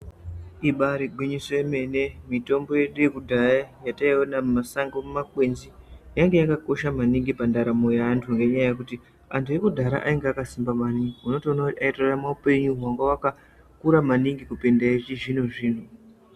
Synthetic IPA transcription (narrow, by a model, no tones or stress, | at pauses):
iɓaɾiɡʱwiɲisojeme̞ne̞mito̞mbo̞je̞ɗujekudʱajajataionammasaŋɡommakwe̞nzijaŋɡe̞jakako̞ʃamaniŋɡipandaɾamujaːntʰuŋɡe̞ɲajajekuti | antʰuje̞kudʱaɾa̰ʔaiŋɡeakasimbamaniuno̞toonakutiaitoramaupe̞ɲuɦwaŋɡawaka | kuɾamaniŋɡikupendait͡ʃiʐin̤uʐiːn̤u